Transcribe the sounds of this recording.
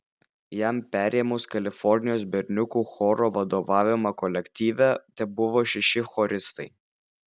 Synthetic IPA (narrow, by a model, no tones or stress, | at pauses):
jæmpʲæːɾʲeːmʊskɐlʲɪfɔɾʲnʲɪjoːs̬bʲɛɾʲnʲʊkuːxɔɾoːʋɐd̪oːʋɑːʋʲɪmɐkɔlʲɛkʲt̪ʲiːʋʲɛt̪ʲɛbʊʋoːʃʲɛʃʲɪxɔɾʲɪst̪ɐɪ